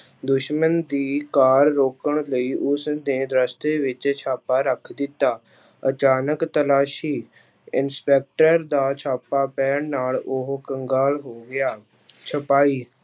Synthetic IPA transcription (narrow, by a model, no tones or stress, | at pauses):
d̪ʊʃmənd̪iːkaːɾːoːkəɳ̃ləiːʔʊsneːd̪ɾəst̪eːʋɪt͡ʃt͡ʃʰaːpaːɾəkʰd̪ɪt̪ːaː | ət͡ʃaːnəkt̪əlaːʃiː | ɪnspɛːk̚ʈəɾd̪aːt͡ʃʰaːpaːpɛːɳnaːlʊɦkəŋɡaːlɦoːɡɪjaː | t͡ʃʰəpaːiː